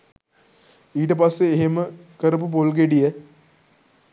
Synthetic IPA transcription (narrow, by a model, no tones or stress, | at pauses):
iːʈepɐsːeːɦeməkɐɾɐpupolɡ̬eɖije